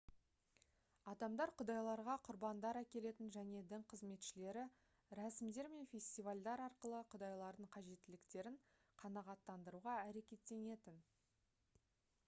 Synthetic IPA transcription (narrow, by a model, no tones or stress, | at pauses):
ɑd̪ɑmd̪ɑɾqʰʊd̪ɑjlˠɑɾʁɑqʰʊɾbɑnd̪ɑɾækʲe̞le̞t̪ɪnʒæne̞d̪ɪŋqʰəzme̞t̪ʃɪle̞ɾɪ | ɾæsɪmd̪e̞ɾme̞nfʲe̞sʲt̪ijvalʲd̪ɑɾɑɾqəlˠəqʰʊd̪ɑjlˠɑɾd̪əɴqʰɑʒe̞t̪ːɪlɪkt̪e̞ɾɪɴ | qʰɑnɑʁɑt̪ːɑnd̪əɾuʁɑæɾe̞kʲe̞t̪ːe̞ne̞t̪ɪn